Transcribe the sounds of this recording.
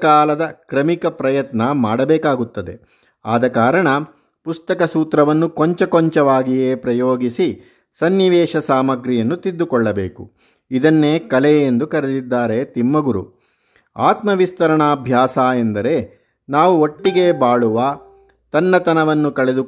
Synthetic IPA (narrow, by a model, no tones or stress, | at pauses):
kaːlɐd̪ɐkɾɐmikɐpɾɐjɐt̪nɐmaːɽɐbɛːkaːɡut̪ːɐd̪e̞̰ | a̰ːd̪ɐkaːɾɐɳɐ | pust̪ɐkɐsuːt̪ɾɐʋɐnːukɔɲt͡ʃɐkɔɲt͡ʃɐʋaːɡijeːpɾɐjoːɡisi | sɐnːiʋɛːʃɐsaːmɐɡɾijɐnːut̪id̪ːukɔɭːɐbḛːku | id̪ɐnːe̞ːkɐleend̪ukɐɾed̪id̪ːaːɾe̞t̪imːɐɡuɾṵ | aːt̪mɐʋist̪ɐɾɐɳaːbʱjaːsaːend̪ɐɾe̞ | naːʋuoʈːiɡe̞ːbaːɭuʋɐ | t̪ɐnːɐt̪ɐnɐʋɐnːukɐɭe̞d̪u